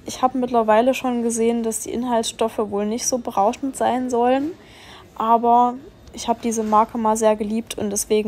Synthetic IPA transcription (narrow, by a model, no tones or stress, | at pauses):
ʔɪçhaːbəmɪtlɐvaɪləʃoːnɡəzeːəndasd̥ḭːʔɪnɦaltʃtɔfəvoːlnɪçtz̥oːbəʁaʊʃn̩tz̥aɪnzɔlən | ʔaːbɐ | ʔɪçhaːbədiːzəmaɐkʰəmaːlzeːɐɡəliːp̚tʰʊ̰ntd̥ɛsv̥eːɡŋ̩